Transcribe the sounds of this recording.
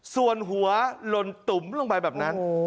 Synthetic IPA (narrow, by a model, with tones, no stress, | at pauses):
su˨˩ənɦu˩˦ɐlo˧nt̪u˩˦mlo˧ŋba˧jbɛː˨˩p̚na˦˥n